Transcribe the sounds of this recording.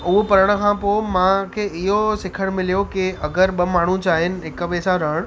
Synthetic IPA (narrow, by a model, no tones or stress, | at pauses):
ʊɦpɐɾəɽ̃ə̆kʰãːpoːɪmãkʰeːɪɦosɪkʰəɽ̃mɪlijokɪɐɡəɾɓɐmaːɳ̤ut͡ɕaːɦɪnɪ̆ɦɪkəʋeːsaɾɐɦəɽ̃